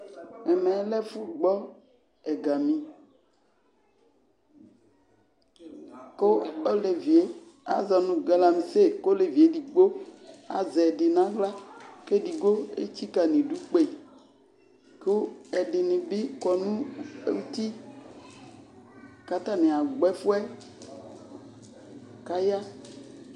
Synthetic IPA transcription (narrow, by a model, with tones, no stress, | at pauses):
mɛ˨mɛ̃˨˦lɛ˦fu˦ɡ͡bɔ˦ | ɛ˨ɡa˨mĩ˨ | ko˦o˦le˨vi˨e˦ | a̰˨zɔ˨nũ˨ɡe˨˦la˨mĩ˨se˦ko˦le˨vi˨e˦di˨ɡ͡bo˦a̰˨zɛ˨di˨nã˨˦ɡla˦ke˦di˨ɡo˦ḛ˦t͡ɕi˦ka˨nĩ˨ɖu˦k͡pe˦˨ | ko˦ɛ˨ɖi˨nĩ˨bi˦kɔ˨nũ˦ḛ˦wu˦t̪i˦ | ka˦t̪a˦nẽ˨a˨ɡ͡bɛ˦fu˦ɛ˦ | ka˦ja˦